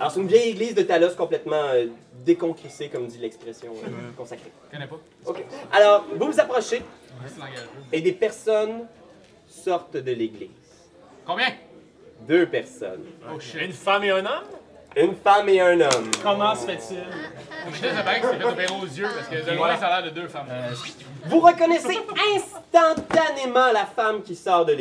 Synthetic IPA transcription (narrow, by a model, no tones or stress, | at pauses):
alɔːʁset̪ynvjɛjeɡliːzd̪ət̪alɔskɔ̃plɛt̪mɑ̃ød̪ekɔ̃kʁisekɔmd̪ilɛkspʁɛsjɔ̰̃kɔ̃sakχe | kɔnɛpɔ | okʲealɔːʁvuvuzapχɔʃẽɡed̪epɛʁsɔn | sɔʁt̪d̪əleɡliːz̥ | kɔ̃bjɛ̃ | d̪øpɛʁsɔ̰nynfameɛ̃nɔm | ynfameɛ̃nɔmkɔmɑ̃səfɛtt͡silmɛasɛpaɛ̃kfɛt̪peʁozjøpasə̥kə̃ɛsalɛːʁd̪əd̪øfam | vuʁəkɔnɛseɛ̃st̪ɑ̃t̪anemɑ̃lafamkʲisɔːʁd̪əl